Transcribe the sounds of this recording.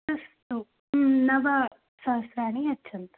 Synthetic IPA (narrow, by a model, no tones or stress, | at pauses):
ɐst̪u | nɐʋɐ | sɐʋsɾaːniɐt͡ʃːɐnt̪ḁ